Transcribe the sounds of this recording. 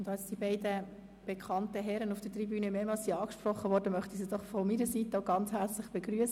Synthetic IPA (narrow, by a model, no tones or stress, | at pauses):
ʊndɑsd̥ibɛɪdə | b̥ekʰɑntəɦɛɾənufd̥ətrɾibyːnəmeːmɑlssiɑːkʃpɾɔχːəʋɔːɾdəmœχt̪isidɔχfɔmiɾəsit̪əoʊɡɑnt͡shɛɾt͡slɪχb̥eɡɾyəs